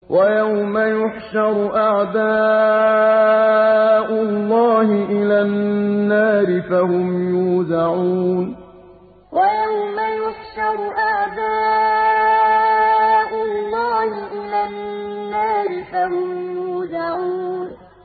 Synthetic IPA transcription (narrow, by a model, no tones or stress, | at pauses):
wʔajawmajʊħʃɑɾˤʔaʕd̪aː | ʔʊlːɑːhɪʔɪlaːaːɾɪfahʊmjuːðaʕuːn | wʔajawmajʊħʃɑɾˤʔaʕd̪aː | ʔʊlːɑːhɪʔɪlaːnnːaːɾɪfahʊmjuːðaʕuːn